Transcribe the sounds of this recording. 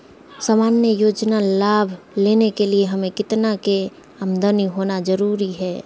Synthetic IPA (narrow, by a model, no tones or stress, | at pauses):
saːmaːnjəjoːd͡ʒnalaːbʱ | leːnekelieɦɐmẽkɪt̪nake | ɐmd̪əniɦoːnad͡ʒəɾuːɾiɦɛː